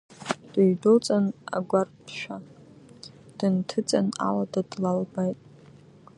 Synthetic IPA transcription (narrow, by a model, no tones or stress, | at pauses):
d̥aɥdot͡sʼana̰ɡʷarpʰʃʷᶣa | d̥ɨntʰɨt͡sʼana̰ladadlalbajtʼ